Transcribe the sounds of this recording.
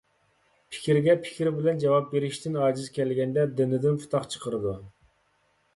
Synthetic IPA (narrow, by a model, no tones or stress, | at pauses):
pʰɪ̥kʲiɾɡʲɛpʰɪ̥kʲiɾbɪlɛnd͡ʒɑwɑp̚beɾɪʃt̪ʰɪnɑːd͡ʒɪzkʲɛlɡʲɛnd̪ɛd̪ɪnɪd̪ɪnpʰu̥t̪ʰɑqt͡ʃʰə̥qʰəɾɨd̪u